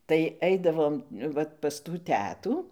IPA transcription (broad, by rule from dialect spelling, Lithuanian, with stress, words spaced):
tɐɪ ˈɛɪdɐʋoːm ˈʋɐt pɐs tuː ˈtʲæːtuː